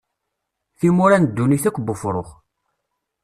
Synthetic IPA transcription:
θimʊɾænd̪ːuniθækʷːbːʊfɾˤoχ

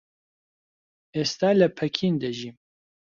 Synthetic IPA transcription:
est̪aːləpʰɛkʰiːnd̪əʒiːm

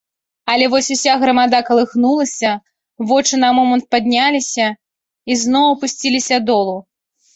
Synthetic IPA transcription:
ɐlʲɛvɔsʲusʲaɣɾɐmad̪akɐlˠɨxnulˠɐsʲɐ | vɔt͡ʂɨnɐmɔmɐnt̪̚pad̪ʲnʲalʲisʲɐ | iznɔwɐpusʲt͡sʲilʲisʲɐd̪ɔlˠu

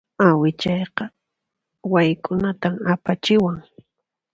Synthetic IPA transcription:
awɪt͡ʃɑjqɑ | wajkʼʊnat̪amapat͡ʃɪwaŋ

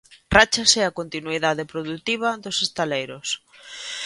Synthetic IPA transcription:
rat͡ʃɐseakont̪inuiðaðɪpɾoðut̪iβ̞ɐðosest̪alejɾʊs

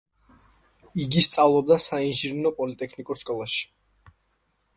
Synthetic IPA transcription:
iɡist̪sʼavlˠɔb̚d̪asainʒiɾnɔpʼɔlit̪ʼɛkʰnikʼuɾskʼɔlˠaʃi̥

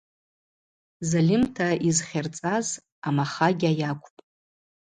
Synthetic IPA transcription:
zalʲɪmtʰaizχʲart͡sʼaz | amaχaɡʲajakʷʰʼpʼ

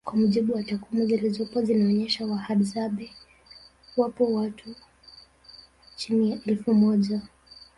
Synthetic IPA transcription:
kwamuʄiɓuwatakwimuɡɛlizɔpɔzinaɔɲɛʃawahaɗzaɓɛ | wapɔwatʰu | t͡ʃinijaʔɛlfumɔʄa

